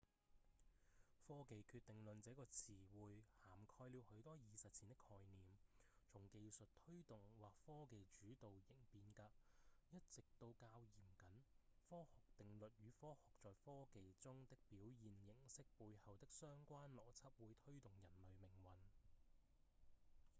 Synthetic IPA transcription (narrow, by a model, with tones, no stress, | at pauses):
fɔː˥ke˨jkʰyː˧t̪ːɪ˨ŋlɵ˨nt͡sɛː˨˥kɔː˧t͡sʰiː˨˩wuː˨˧jhaː˨˩mkʰɔː˧jliː˨˧whɵ˨˥ɥt̪ɔː˥jiː˨sɐ˨t̚t͡sʰi˨nt̪ɪ˥kʰːɔː˧jniː˨mt͡sʰʊ˨˩ŋke˧jsɵ˨t̚t̪ʰɵ˥ɥt̪ʊ˨ŋwaː˨k̚fɔː˥ke˨jt͡ʃyː˨˥t̪o˨wjɪ˨˩ŋpiː˧nkaː˧jɐ˥t̚t͡sɪ˨k̚t̪o˧wkaː˧wjiː˨˩mkɐ˨˥nfɔː˥hʊ˨k̚t̪ɪ˨ŋlɵ˨t̚jyː˨˧˥fɔː˥hʊ˨k̚t͡sɔː˨jfɔː˥ke˨jt͡sʊ˥ŋt̪ɪ˥k̚piː˨˥wjiː˨njɪ˨˩ŋsɪ˥k̚puː˧jhɐ˨wt̪ɪ˥k̚sœː˥ŋkʷaː˥nlɔː˨˩t͡sʰɐ˥p̚wuː˨˥jt̪ʰɵ˥ɥt̪ʊ˨ŋjɐ˨˩nlɵ˨ɥmɪ˨˩ŋwɐ˨n